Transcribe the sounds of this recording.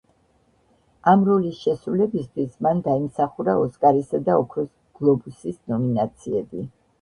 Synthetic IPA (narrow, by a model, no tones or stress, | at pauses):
amɾɔlisʃɛsɾulɛbist̪ʰwismand̪aimsaχuɾaɔskʼaɾisad̪aɔkʰɾɔs | ɡ̥lˠɔbusisnɔminat̪sʰiɛbi